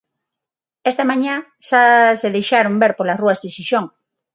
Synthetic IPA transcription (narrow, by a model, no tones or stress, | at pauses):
est̪amãɲã | ʃaseðejʃaɾombeɾpolasruazðeʃiʃõŋ